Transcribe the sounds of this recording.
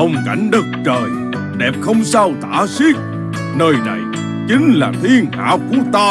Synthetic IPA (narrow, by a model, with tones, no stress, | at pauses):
ə˧wŋ͡mka˧˩jŋ̟ɗə˦˥k̚t͡ɕəː˨˩j | ɗɛ˨˩p̚xə˧wŋ͡msaː˧wt̪a̰ː˧˥si˦˥k̚ | nəː˧jna̰˨˩j | t͡ɕï˨˦ŋ̟laː˨˩t̪ʰi˧əŋha̰ː˧˥wku˧˩˥ət̪aː˧